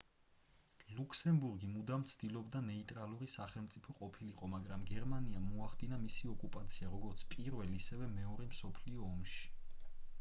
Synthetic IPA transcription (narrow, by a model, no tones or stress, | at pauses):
lukʰsɛmbuɾɡimud̪amt̪sʰd̪̥ilɔbd̪anɛit̪ʼɾalˠuɾisaχɛlˠmt̪sʼipʰɔqʼɔpʰiliqʼɔmaɡɾamɡɛɾmaniamuaχd̪inamisiɔkʼupʼat̪sʰiaɾɔɡɔɾt̪sʰpʼiɾvɛliːsɛvɛmɛɔɾɛmsɔpʰliɔːmʃi̥